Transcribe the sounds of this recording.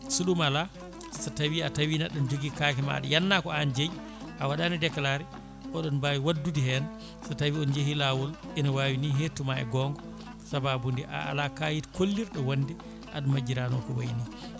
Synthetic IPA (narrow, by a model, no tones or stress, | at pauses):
suɗumala | statawiatawiːnaɗːɔnd͡ʒoɡikakɛma̰ɗɛ̰janːakɔand͡ʒej | ʔawaɗanidɛkalaɾɛ | ʔɔɗɔnbaːwiwadːudiɦɛna | satawiɔnd͡ʒeɦilawɔlʔɛnawawiniɦetːumaɛ̰ɡɔŋɡɔ | sababundiʔa̰a̰lakajitkolːiɾɗɔwandi | ʔa̰ɗmad͡ʒiɾanɔkɔwajni